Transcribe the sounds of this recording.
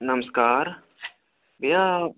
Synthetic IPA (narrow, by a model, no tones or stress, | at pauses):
nɐməskaːɾ | bia